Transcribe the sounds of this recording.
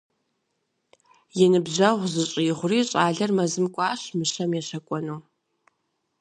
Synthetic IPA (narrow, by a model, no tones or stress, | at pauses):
jɛnɨbʑɐʁʷzɨɕʼiːʁʷʊriːɕʼaːɮɐrmɐzɨmkʷʼaːɕmɨʃɐmjɛɕɐkʷʼɔnuː